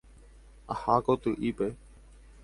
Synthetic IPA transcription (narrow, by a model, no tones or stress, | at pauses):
əhaːkoːt̪uːʔiːpeː